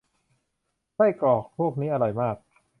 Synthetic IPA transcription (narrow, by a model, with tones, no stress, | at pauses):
kʰa˥˩jkɔː˨˩k̚pʰu˥˩ək̚niː˦˥ʔa˧ɾɔ˧jmaː˥˩k̚